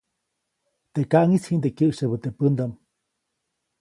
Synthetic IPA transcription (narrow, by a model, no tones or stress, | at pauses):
t̪eʔkaʔŋishind̪ekəʔʃəbət̪epənd̪am